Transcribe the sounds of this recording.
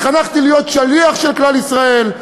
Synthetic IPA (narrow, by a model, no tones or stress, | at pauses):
χanaχt̪ilijo̞t̪ʃaliaχʃelklalisʁae̞l